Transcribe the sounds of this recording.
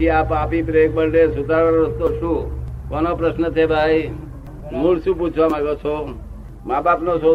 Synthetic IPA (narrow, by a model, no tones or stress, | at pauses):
iapapipɾek̚bəɾɖesud̪ʱaɾəst̪osʰũkɔnopɾəsnət͡ʃ̪ʰebʱaj | muɭsũp̬ut͡ʃʰʋamãɡət͡ʃʰo | mabapnoso